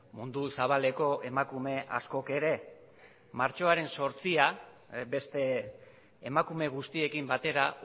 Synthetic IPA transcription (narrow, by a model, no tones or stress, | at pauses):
mund̪usaβ̞ale̞ko̞ʔe̞makume̞ʔa̰sko̞ke̞ɾe̞ | maɾt͡ʃo̞aɾe̞nso̞ɾt͡sia | be̞st̪e̞ː | makume̞ɣ̞ust̪ie̞kimbat̪e̞ɾa